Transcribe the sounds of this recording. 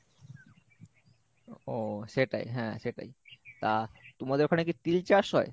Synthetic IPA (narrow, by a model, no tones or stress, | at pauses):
oʃeʈa̰jɦɛ̃ʃeʈa̰jt̪at̪omad̪eɾokʰanek̬it̪ilt͡ɕaɾʃɦɔe